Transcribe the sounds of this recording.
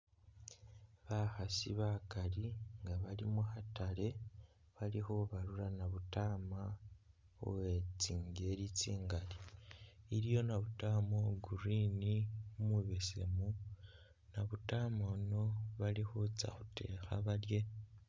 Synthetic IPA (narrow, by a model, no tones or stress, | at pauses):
βaxasḭβakaɾiŋɡaβalimuhatale̞ | βaliho̞βaɾuɾanaβutaːma | o̰wet͡siːŋɡe̞ɾit͡siːŋɡali | iɾjo̞naβutaːmoɡuɾinimuβesḛmu | naβutaːmono̞βalihot͡sa̰xu̥te̞̰ːxa̰βaɾje̞